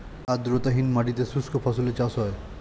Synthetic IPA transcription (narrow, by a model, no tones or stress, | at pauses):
ad̪ɾot̪aɦinmaʈit̪esuskʰofʰasulet͡ɕasɦɔe